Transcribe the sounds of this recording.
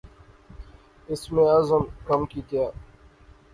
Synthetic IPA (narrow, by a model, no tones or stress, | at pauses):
ɪsmẽːɐzəmkɐmkiːt̪jaː